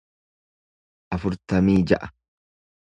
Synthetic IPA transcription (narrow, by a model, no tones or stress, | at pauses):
ʔɐfʊɾt̪ɐmiːd͡ʒɐʔɐ̥